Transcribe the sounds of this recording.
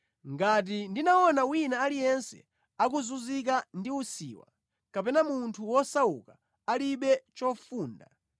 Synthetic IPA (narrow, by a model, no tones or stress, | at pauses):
ŋɡat̬indinaɔnawinaːlijɛnsɛ̰ | akuzuzik̬andiusḭːwa̰ | kapɛnamuntʰuwɔsaṵka | aliɓɛt͡ʃɔfuːnda̰